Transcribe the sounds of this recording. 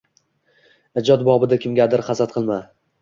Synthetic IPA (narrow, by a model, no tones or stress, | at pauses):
ɪd͡ʒɒt̪bɒbɪd̪akʲʰɪmɡʲad̪ɪɾχɑsat̪̚qʰɨlˠma